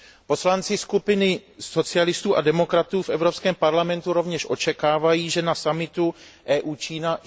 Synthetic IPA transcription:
po̞slant͡sɪskupɪnɪso̞t͡sɪalɪst̪uːʔadɛmo̞kɾat̪uːfʔɛvɾo̞pskɛːmpaɾlamɛnt̪uɾo̞vɲɛʃʔo̞t͡ʃɛkaːvajiːʒɛnasamɪt̪uʔɛːʔuːt͡ʃiːna

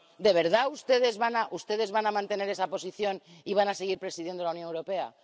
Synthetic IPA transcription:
d̪e̞βe̞ɾðaust̪e̞ð̞e̞zβanaʔust̪e̞ð̞e̞zβanamãnt̪e̞ne̞ɾe̞sapo̞siθjo̞niβ̞anase̞ɣ̞iɾpɾe̞siðje̞nd̪olauwnjonewɾo̞pe̞a̰

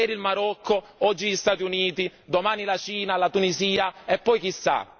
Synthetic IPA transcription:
ɛːɾilmaɾɔkʰːo | ɔd͡ʒːiʎist̪at̪iuniːt̪id̪omaːnilat͡ʃiːnalat̪uniziːaepːɔjk̟isːa̰

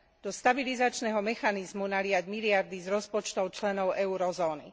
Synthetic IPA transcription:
d̪̥ɔst̪abilizat͡ʃnɛɦɔmɛxanizmunalɪaɟmiliaɾd̪izɾɔspɔt͡ʃt̪ɔʊt͡ʃlɛnɔʊʔɛuɾɔzɔːni

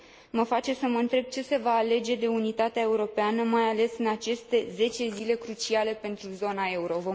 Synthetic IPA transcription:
məfat͡ʃe̞səməɨnt̪ɾe̞b̚t͡ʃe̞se̞vaːle̞d͡ʒe̞d̪e̞unit̪at̪eae̞uɾo̞peanəmajale̞sɨnat͡ʃe̞st̪e̞ze̞t͡ʃe̞zile̞kɾut͡ʃiale̞pe̞nt̪ɾuzo̞nae̞uɾo̞vo

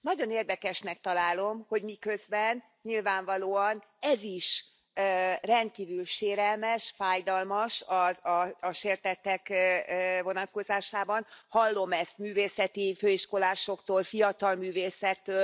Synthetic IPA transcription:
nɒɟo̞neːrd̪ɛkɛʃnɛk̚t̪ɒlaːlo̞mho̞ɟmikø̞zbɛn | ɲilvaːɱvɒloːɒnɛziʃ | rɛnt̪̚kiːvylʃeːɾɛlmɛʃfaːjd̪ɒlmɒʃɒɒːʃeːrt̪ɛt̪ɛkː | vo̞nɒt̪̚ko̞zaːʃaːbɒnhɒlːo̞mɛst̪myːveːsɛt̪iføːiʃko̞laːʃo̞kt̪oːlfijɒt̪ɒlmyːveːsɛt̪ːøː

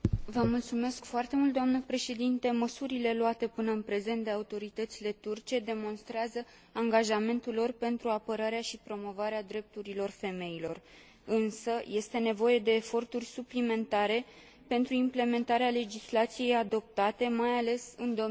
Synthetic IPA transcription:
vəmult̪sume̞skfoart̪e̞mult̪d̪oamnəpɾe̞ʃe̞d̪int̪e̞məsuɾile̞loat̪e̞pɨnəɨnpɾe̞ze̞nt̪̚d̪e̞aut̪o̞ɾit̪ət̪sile̞t̪urt͡ʃe̞d̪e̞mo̞nst̪ɾeazə | aŋɡaʒame̞nt̪ulo̞rpe̞nt̪ɾuapəɾaɾeaʃipɾo̞mo̞vaɾead̪ɾe̞p̚t̪uɾilo̞rfe̞me̞ilo̞r | ɨnsəje̞st̪e̞ne̞vo̞je̞d̪e̞ːfo̞rt̪urʲsuplime̞nt̪aɾe̞ | pe̞nt̪ɾuimple̞me̞nt̪aɾeale̞d͡ʒislat̪sije̞jad̪o̞p̚t̪at̪e̞majale̞sɨnd̪o

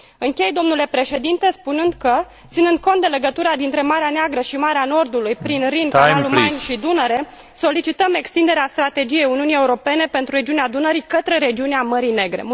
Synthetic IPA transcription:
ɨŋkʲe̞jd̪o̞mnule̞pɾe̞ʃe̞d̪int̪e̞spunɨnd̪kə | t̪sinɨnd̪̚ko̞nt̪̚d̪ele̞ɡət̪uɾad̪int̪ɾe̞maɾeaneaɡɾəʃimaɾeano̞rd̪ulujpɾinrinallummanʲʃid̪unəɾe̞ | so̞lit͡ʃit̪əme̞kst̪ind̪e̞ɾeast̪ɾat̪e̞d͡ʒije̞juniunieuɾo̞pe̞ne̞pe̞nt̪ɾuɾe̞d͡ʒiunead̪unəɾikət̪ɾe̞ɾe̞d͡ʒiuneaməɾine̞ɡɾe̞̰

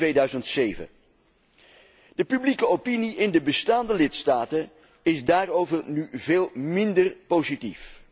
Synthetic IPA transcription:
ʋejdœɥzəntsejvə̰ | dəpyblikəopiniʔɪndəbəstaːndəlɪtstaːtən | ɪzdaːrowvərnyveːlˠmɪndərpowzitif

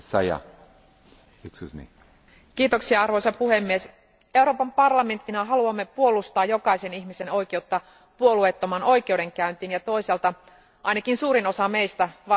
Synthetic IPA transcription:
sɑjɑ̰ | iksusnḭ | kiːt̪oksiɑɑrʋo̞jsɑpuhemːies | euɾopɑmpɑrlɑme̞nt̪ːinɑɦɑluɑmːepuolust̪ɑːjjo̞kɑiseniçmiseno̞ike̞ut̪ːɑ | puoluet̪ːomɑnʔo̞ikeude̞ŋkæynt̪iːnjɑt̪o̞iselt̪ɑ | ʔɑinɑkinsuːɾino̞sɑmeist̪æʋɑ

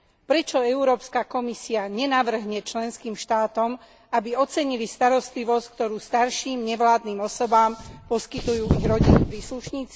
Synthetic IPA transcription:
pɾɛt͡ʃɔɛuɾɔːpskakɔmisiaɲɛnaʋr̩ɦɲɛt͡ʃlɛnskiːmʃt̪aːt̪ɔm | abiɔt͡sɛɲilist̪aɾɔst̪liʋɔsck̚t̪ɔɾuːst̪aɾʃiːmɲɛʋlaːd̪niːmɔsɔbaːmpɔskit̪ujuːiɣɾɔɟinupɾiːsluʃɲiːt͡si

